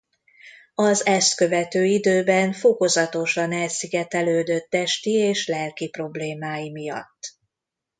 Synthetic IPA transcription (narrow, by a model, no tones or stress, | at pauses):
ɒzɛst̪kø̞vɛt̪øːid̪øːbɛɱfo̞ko̞zɒt̪o̞ʃɒnɛlsiɡɛt̪ɛløːd̪øt̪ːɛʃt̪ieːʃlɛlkipro̞bleːmaːjimijɒ̰t̪ː